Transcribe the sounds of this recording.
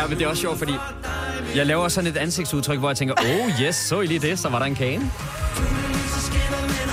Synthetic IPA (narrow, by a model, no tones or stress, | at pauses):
med̥e̝æɒsɕɒʊ̰d̥fɒdḭː | jɑ̈ɪlɛːʊɐsɒ̽ne̝d̥ænse̝ɡ̥̚suðˠt͡sʰʁœɡ̥ʋɒjɑ̈t͡sʰeŋɡ̥ɐʔoʊjesːɔ̰̽ːiliːd̥e̝sɒ̽ʋɑ̈ɾɑ̈e̝nkʰɛːnə